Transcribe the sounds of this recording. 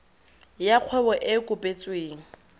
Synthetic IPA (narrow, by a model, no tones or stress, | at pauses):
jak͡xʰwɛbɔʔɪkʼʊpʼet͡sʼweːŋ̩